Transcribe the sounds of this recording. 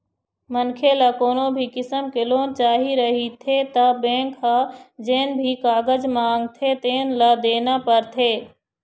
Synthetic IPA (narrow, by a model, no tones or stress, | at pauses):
mənkʰelakoːnõbʱikɪsəmkeloːnt͡ʃaːɦiɾəɦit̪ʰet̪abẽːŋkɦad͡ʒeːnbʱikaːɡəd͡ʒmãːŋɡ̚t̪ʰet̪eːnlad̪eːnapəɾt̪ʰeː